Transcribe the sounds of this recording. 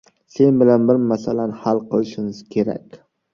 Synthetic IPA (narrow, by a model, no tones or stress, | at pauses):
se̞nbɪlanbɪɾmasalanhalˠqʰɨlˠɪʃɪŋɪz̥kʲʰe̞ɾa̰kʲ